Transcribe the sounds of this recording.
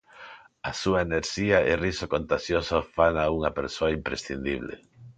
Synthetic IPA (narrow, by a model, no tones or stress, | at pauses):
asuaeneɾʃiaʔerisokont̪aʃjosofanauŋɐpeɾsoaimpɾḛsθind̪iβlḛ